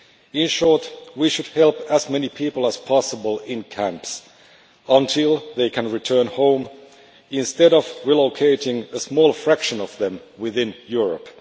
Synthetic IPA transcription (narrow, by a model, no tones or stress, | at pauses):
ɪ̃nʃɔɹtwiʃɨd̥̚hɛlˠpəzmɛnipʰipl̩ˠəz̥pʰɑsəbəl̩ˠɪ̃nkʰæ̃mps | ə̃ntʰɪlˠðeɪkʰɨ̃nɹitʰɜ̃˞nhõʊ̃m | ɪ̃nstɛɾʌvɹiloʊkʰeɪɾɪ̃ŋəsmɔlˠfɹækʃɨ̃nʌvðɨ̃mwɪðɪ̃njʊɹə̰p